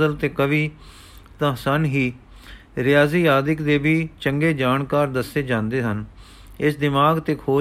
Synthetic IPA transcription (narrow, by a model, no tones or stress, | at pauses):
əlt̪eːkəʋiː | t̪ãːsənɦiː | ɾɪjaːziːjaːd̪ɪkd̪eːbiːt͡ʃəŋɡeːd͡ʒaːnkaːɾd̪əsːeːd͡ʒãːnd̪eːɦən | ɪsd̪ɪmaːɡt̪eːkʰoː